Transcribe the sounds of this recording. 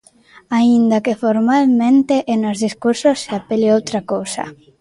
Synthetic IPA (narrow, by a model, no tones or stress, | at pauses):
aind̪akefoɾmalmẽnt̪eʔenolzðiskuɾsosːeapeliowt̪ɾakowsa̰